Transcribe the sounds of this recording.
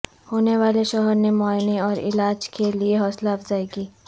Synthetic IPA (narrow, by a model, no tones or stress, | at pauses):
hoːneʋaːleʃɔɦəɾnemaːniɔːɾɪ̰laːd͡ʒkelieɦɔːslaːbzaːiɡiː